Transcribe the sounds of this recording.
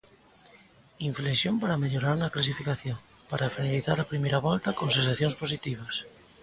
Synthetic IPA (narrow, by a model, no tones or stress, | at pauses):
iɱflesjompaɾameʎoɾaɾnaklas̬ifikaθjoŋpaɾafinaliθaɾapɾimejɾaβɔlt̪akonsensaθjonsposit̪iβ̞as